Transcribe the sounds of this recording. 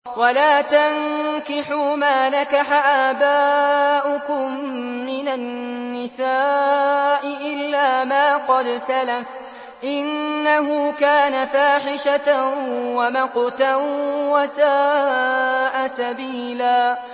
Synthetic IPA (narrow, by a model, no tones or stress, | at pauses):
walaːt̪ankɪħuːmaːnakaħaʔaːbaːʔʊkʊmːɪnanːɪsaː | ʔɪʔɪlːaːmaːqɑd̪salaf | ʔɪnːahʊːkaːnafaːħɪʃa | wamɑqt̪awasaː | ʔasabiːlaː